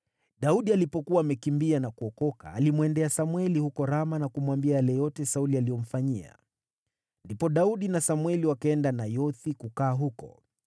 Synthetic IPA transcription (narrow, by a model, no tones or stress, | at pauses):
ɗauɗialipɔkuwaːmɛkimbianakuɔkɔka̰ːlimwɛndɛasamwɛlihukɔɾamanakumwambiajalɛjɔtɛsaulialijɔm̩faɲia̰ | ndipɔɗauɗinasamwɛliwakaɛndanajɔθikukaːɦukɔ̰